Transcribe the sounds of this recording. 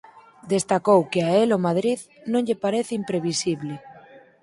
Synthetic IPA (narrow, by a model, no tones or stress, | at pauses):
d̪est̪akowkeaelomað̞ɾið | nõɲʎepaɾeθeimpɾeβ̞isiβle